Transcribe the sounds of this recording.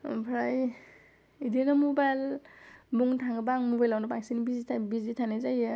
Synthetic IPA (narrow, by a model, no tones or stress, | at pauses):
pʰɾaj | idinamɔbajl | buŋtʰaŋɡɯbaŋmobajlawnɯpaŋsinibizitʰabizitʰanazajɯ